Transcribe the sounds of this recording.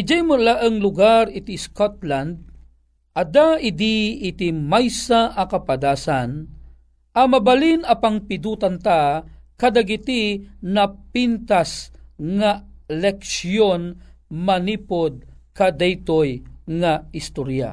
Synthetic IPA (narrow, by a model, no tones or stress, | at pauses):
ɪd͡ʒajmulaʔəŋlʊɡaɾɪt̪iskot̪̚land̪̚ | ʔɐd̪aʔɪd̪iːt̪imajsaʔɐkapad̪aːsan | ʔɐmɐbalinɐpaŋpɪd̪uːt̪ant̪akad̪aɡit̪inɐpint̪asŋalɛksjonmɐnipod̪̚kad̪ɛjt̪ojŋaɪst̪oɾja̰